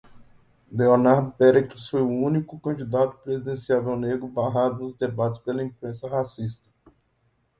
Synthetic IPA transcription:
leonaɾd̪ʊpɛɾekt̪usfojʊũnikʊkɐ̃d͡ʒid̪at̪ʊ̥pɾezid̪ẽsiawvɛwneɡɾʊbaɦad̪ʊnʊzd̪ebat̪ɪ̥spelɐĩpɾẽsɐhasist̪ɐ̥

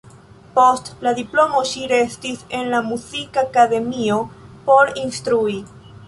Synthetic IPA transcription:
po̞stladiplo̞mo̞ʃiɾe̞stise̞nlamuzikakade̞mio̞po̞ɾinstɾui

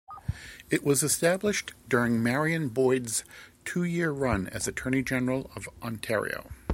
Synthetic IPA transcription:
ɨʔwʌzɨstæblɨʃd̥ʊɹɪ̃ŋmɛɹiɨ̃nbɔɪdz̥tʰʉjɪɹɹʌ̃nɨ̰zɨtʰɜ̃˞ñid͡ʒɛnə˞l̩ˠʌvʔɑ̃ntʰɛ̰ɹḭo̰ʊ

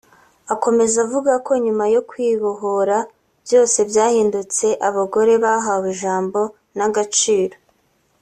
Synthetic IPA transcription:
ako̞me̞zavuɡakʰo̞ɲumajo̞kwiːβoɦo̞ɾa | bjo̞ːse̞vjaːhiːndut͡se̞ʔaβaɡo̞ɾe̞βaɦawiʒaːmbo̞ | naɡat͡ʃiːɾo̞

